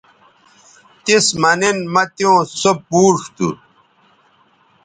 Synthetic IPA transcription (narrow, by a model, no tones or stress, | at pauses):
t̪ismɐninmɐt̪jõːsopuːʂt̪ṵ